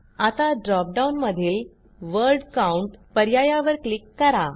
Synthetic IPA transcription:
at̪aɖɾɔp̚ɖaunməd̪ʱiːl | ʋəɾɖkauɳʈpəɾjajaʋəɾklikːəɾa

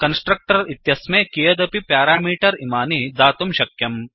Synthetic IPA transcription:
kɐnsʈɾɐk̚ʈɐɾit̪jɐsmẽkijɐd̪ɐpipjaːɾaːmiːʈɐɾḭmaːnid̪aːt̪umʃɐkjɐm

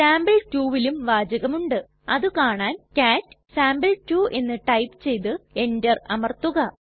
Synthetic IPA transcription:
saːmbɐltuːʋilumʋaːd͡ʑɐɣɐmuɳɖɨ | ɐðɨkaːɳaːnkaːtːɨsaːmbɐltuːʔe̞nːɨʈɐjpɨt͡ɕe̞jt̪̬ɨe̞ndɐrɐmɐrt̪uɣɐ

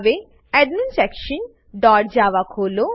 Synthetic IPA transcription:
be | ɛɖminsɛkʃin | ɖɔʈ̚d͡ʑaʋakɦolo

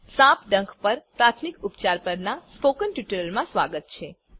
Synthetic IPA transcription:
sãpɖəŋkʰpəɾpɾat̪ʰmikʊpt͡ʃaɾpəɾnaspokənʈjuʈəllmãsʋaɡət̪̚t͡ʃʰe

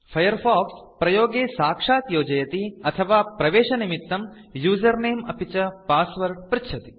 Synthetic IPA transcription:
pʰɐjɐɾfaːkspɾɐjoːɡeːsaːkʂaːt̪joːd͡ʒɐjɐt̪iɐt̪ʰɐʋaːpɾɐʋeːʂɐnimit̪ːɐmjuːzɐɾneːmɐpʰit͡ʃɐpaːsʋɐɾpɾɪtːʰɐt̪i̥

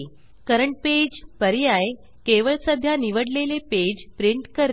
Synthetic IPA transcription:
kəɾəɳʈ̚ped͡ʑpəɾjaj | keʋəɭsəd̪ʱjaniʋəɽleleped͡ʑpɾiɳʈkəɾ

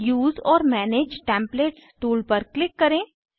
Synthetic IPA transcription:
juːzɔːɾmɛːneːd͡ʒʈɛ̃ːmpleːʈsʈuːlpɐɾklɪkːɐɾẽː

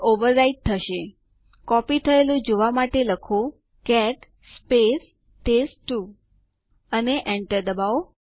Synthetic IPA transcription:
oʋəɾːaiʈ̚t̪ʰəʃe | kɔpit̪ʰəelũd͡ʒoʋamaʈeləkʰo | kɛʈ | spes | ʈesʈu | əneʔɛɳʈəɾd̪əbao

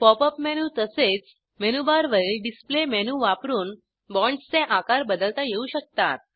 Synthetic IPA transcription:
pɔpəpmɛnut̪əset͡s | menubaɾʋəɭilɖisplemɛnuʋapɾuːn | bɔɳɖst͡sẽʔakaɾbəd̪əlt̪ajeuɕək̚t̪a̰t̪̚

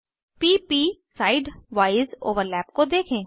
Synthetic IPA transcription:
piːpiːsaːɪɖʋaːɪzo̰ːʋəɾlɛːpkod̪eːkʰẽː

